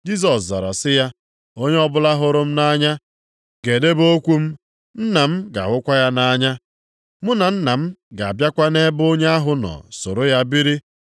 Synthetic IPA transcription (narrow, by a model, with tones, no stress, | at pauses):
d͡ʒi˦s̬ɔ˨sza̰˨ɾa̰˨sɪ˦ja˦ | o˦ɲe˦ɔ˦bʊ˦la˦ɦʊ˦ɾʊ˦m̩˦na˦ɲa˦ | ɡe˨de˦bo˦kʷu˦m̩˦ | n̩˦na˨m̩˦ɡa̰˨wʊ˦kʷa˦ja˦na˦ɲa˦ | mʊ˦na˨n̩˦na˨m̩˦ɡa˨a˨bja˦kʷa˦ne˦bo˦ɲe˦a˦ɦʊ˨nɔ̰˨so̰˨ɾo˦ja˦bi˦ɾi˦